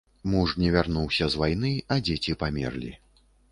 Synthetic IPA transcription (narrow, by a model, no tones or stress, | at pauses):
muʂnʲɛvʲarnuwsʲɐzvajn̪ɨɐd͡zʲet͡sʲipamʲɛ̰rlʲḭ